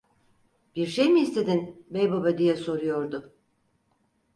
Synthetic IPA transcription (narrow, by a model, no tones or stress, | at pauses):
b̥iɾʃejmiist̪ʰe̞d̪inbejbabad̪ijɛso̞ɾujo̞ɾd̪ʊ